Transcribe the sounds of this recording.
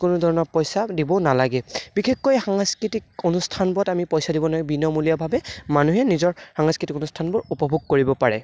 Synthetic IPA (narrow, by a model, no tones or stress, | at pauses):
kʊnʊdʱɔɹɔnɔɹpɔjsadibɔnalaɡɛbixekːojxaŋaskɹitik̚onustʰanbɹɔtamipɔjsadibɔnɔjbinɔmulijabʱabɛmanuɦɛnizɔɹxaŋaskɹitikonustʰanbʊɹupɔbʱuɡ̚koɹibɔpaɹɛ̰